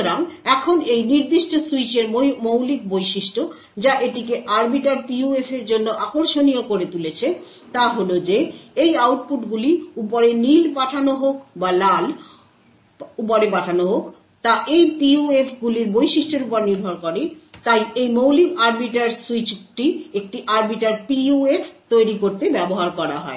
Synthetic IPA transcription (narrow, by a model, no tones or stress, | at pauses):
ɾaŋɛkʰonejniɾd̪iʃʈosuit͡ɕeɾmowlik̚bojʃiʃʈo | d͡ʑaʔeʈikeʔaɾbiʈaɾpiuefʰeɾd͡ʑonːoʔakoɾʃoniokoɾet̪ulet͡ɕʰe | t̪aɦolod͡ʑeejawʈ̚puʈɡuliupoɾenilpaʈʰanoɦokbalal | up̬oɾep̬aʈʰanoɦok | t̪aʔejpiuefʰɡuliɾbojʃiʃʈeɾupoɾniɾbʱɔɾkɔɾet̪ajejmowlimaɾbiʈaɾsuit͡ɕʈiek̚ʈiʔaɾbiʈaɾpiuefʰt̪ojɾikoɾt̪ebɛboɦaɾkɔɾa̰ɦɔ̰e